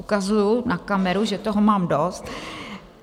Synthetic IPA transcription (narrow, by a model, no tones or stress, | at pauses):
ukazujunakamɛɾuʒɛt̪oɦomaːmdost̪